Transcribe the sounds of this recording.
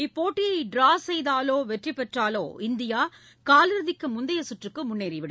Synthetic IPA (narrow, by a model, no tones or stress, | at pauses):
ɪpːoːʈːɪjɐɪɖɾaːsɛjðaːloːʋɛʈripːɛʈraːlo̰ːɪnd̪ɪjaː | kaːlɪɾɯðɪkːɯmʊnd̪ɐjɐsʊʈrɯkːɯmʊnːeːɾɪʋɪɽɯ